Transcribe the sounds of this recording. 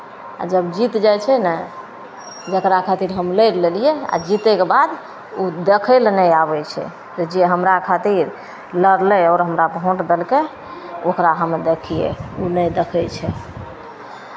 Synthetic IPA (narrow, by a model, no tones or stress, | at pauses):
a̰d͡ʒəbd͡ʒit̪d͡ʒajt͡ʃʰɛna | d͡ʒəkɾakʰat̪iɾɦəmləjllelijea̰d͡ʒit̪ɛkebad̪ | ud̪ekʰəlnəjaβɛt͡ʃʰɛ̰ | t̪d͡ʒeɦəmɾakʰat̪iɾ | ləɾlɛɔɾɦəmɾabɦõʈd̪elke | okɾaɦəmd̪ekʰijḛunəd̪ekʰɛt͡ʃʰɛ